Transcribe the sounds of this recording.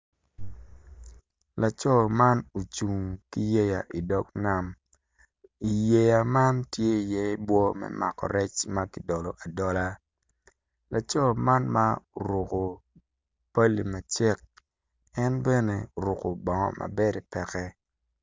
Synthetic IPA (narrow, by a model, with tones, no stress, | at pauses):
la˨t͡ʃɔ˦ma˦no˨t͡ʃu˨ŋki˦je˦ja˨ʔi˨dɔ˦kna˦˨m | i˨je˨ja˨ma˦ntje˦i˨jɛ˦bwɔ˦mɛ̰˦ma̰˨kɔ̰˨ɾɛ˦t͡ʃma˦ki˨dɔ˨lɔ˨ʔa˨dɔ˦la˦ | la˨t͡ʃɔ˦ma˦nma˦o˨ɾʊ˨ko˨ | pa˦li˨ma˨t͡ʃɛ˦k̚ | ɛ˦nbɛ˦ne˨o˨ɾʊ˨ko˨bɔ˨ŋɔ̰˨ma̰˨be˦ɾɛ˨pɛ˨kɛ˦